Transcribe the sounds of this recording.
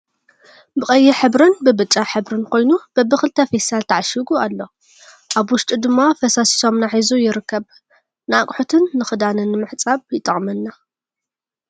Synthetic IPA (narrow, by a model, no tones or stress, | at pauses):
bɨkʼɐjːɛħɨβɾɨnbɨbɨt͡ʃʼaħɨβɾɨnkʰo̞jnub̥ɐbɨxɨlt̪ʰɐfesalt̪ʰaʕaʃiɡualːo̞ | ʔaβwʊʃt̪ʼid̪ɨmːafɐsasi̥so̞mnaħizujɪɾɨkʰːɐβ | nɨakʼħut̪ʰɨnːɨxɨd̪anɨnːɨmɨħt͡sʼaβjɪt̪ʼɐχʼmɐnːa